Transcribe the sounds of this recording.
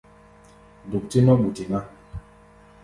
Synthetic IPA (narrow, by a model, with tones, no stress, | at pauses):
du˨k̚ti˦nɔ˦ɓu˨ti˨ŋa˦